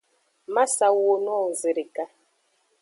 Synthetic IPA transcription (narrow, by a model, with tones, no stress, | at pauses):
ma˦sa˨wo˦nɔ˦˨zi˨ɾi˨ka˦